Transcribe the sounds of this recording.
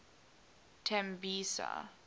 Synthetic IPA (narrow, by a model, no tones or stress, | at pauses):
tʰɛ̃mbisa̰